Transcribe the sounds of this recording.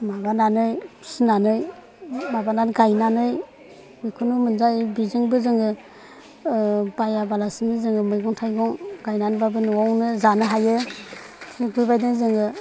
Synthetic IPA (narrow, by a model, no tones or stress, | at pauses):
mabananɯjsinanɯj | mabananɡajnanɯj | bɯjkʰunumɯnzajbizɯŋbɯzɯŋɡɯ | bajabalasinizɯŋɯmɯjɡɔŋtʰajɡɔŋɡajnanbabɯnɔwawnɯzanɯɦajɯ | tʰeɡujbajdazɯŋɡɯ